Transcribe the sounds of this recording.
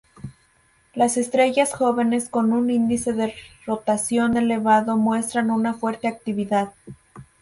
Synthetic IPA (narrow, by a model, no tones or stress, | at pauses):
lase̞st̪ɾe̞ʝasxo̞βe̞ne̞sko̞nunind̪ise̞ðe̞ro̞t̪asjo̞ne̞le̞βaðo̞mwe̞st̪ɾanunafwe̞ɾt̪e̞ak̚t̪iβiðað